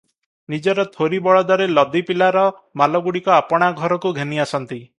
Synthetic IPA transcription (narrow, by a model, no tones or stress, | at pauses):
nid͡ʒɔɾɔt̪ʰoɾibɔɭɔd̪ɔɾelɔd̪ipilaɾɔ | malɔɡuɽikɔapɔɽ̃aɡʱɔɾɔkuɡʱeniasɔnt̪i